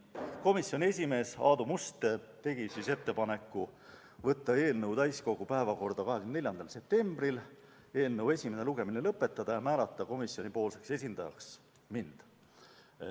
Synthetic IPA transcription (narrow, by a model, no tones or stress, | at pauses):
ko̞misjo̞nʲie̞s̬ʲime̞ːsɑːd̪umust̪et̪e̞ɡ̥isise̞t̪ːe̞pɑne̞kːˑu | vɤt̪ːɑe̞ːlnɤwd̪æjsko̞ɡ̥upæevɑko̞rd̪ɑkɑɦeɡ̥ymnnelʲjɑnd̪̥ɑlse̞p̚t̪e̞mb̥ril | e̞ːlnɤwe̞sʲimene̞luɡe̞minelɤpːˑe̞t̪ːˑɑd̪̥ɑjɑmæːlɑt̪ːˑɑko̞misjo̞nipo̞ːlse̞kse̞sʲind̪̥ɑjɑ̰ks | mind̪̥